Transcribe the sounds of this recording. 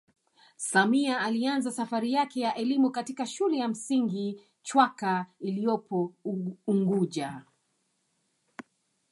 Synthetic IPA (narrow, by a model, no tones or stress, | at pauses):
samiaːlianzasafaɾijakɛjaʔɛlimukatikaʃulɛjam̩siŋɡi | t͡ʃwakailijɔpʰɔuŋɡuʄa